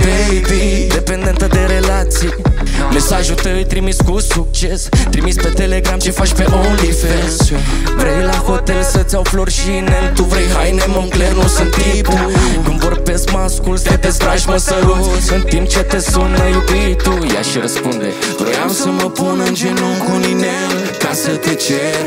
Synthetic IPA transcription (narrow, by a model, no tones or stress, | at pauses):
pebid̪e̞pend̪e̞nt̪əd̪e̞ɾe̞lat̪si | me̞saʒut̪əjt̪ɾimiskusukt͡ʃe̞st̪ɾimispe̞t̪e̞le̞ɡɾamt͡ʃe̞fat͡ʃpemolife | vɾejlahot̪elsət̪sʲawflo̞rʃinet̪uvɾejɦajnemoŋklernusɨnt̪ip | kɨmvorbe̞skmaskulsət̪est̪ɾaʃməsəluɨnt̪imp̚t͡ʃe̞t̪e̞sunəjubit̪uja̰ʃiɾəspund̪ḛvɾo̰jamsəməpunɨnd͡ʒenukuninel | kasət̪et͡ʃeɾ